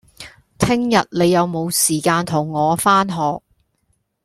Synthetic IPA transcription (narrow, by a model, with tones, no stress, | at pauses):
t̪ʰɪ˥ŋjɐ˨t̚le˨˧jːɐ˨˧wmo˨˧wsiː˨˩kaː˧nt̪ʰʊ˨˩ŋːɔː˨˧faː˥nɦɔː˨k̚